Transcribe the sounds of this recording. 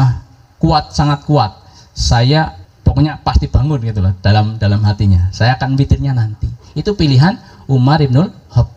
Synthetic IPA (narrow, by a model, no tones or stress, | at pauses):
a | kuat̪̚saŋat̪̚kuat̪̚ | sajapokoɲapast̪ib̥aŋʊnɡit̪ulɔhd̥alamdalamɦat̪iɲasajaːkanfit̪ɪrɲanant̪iːt̪upiliɦan | umaɾib̚nʊl | hɔk̚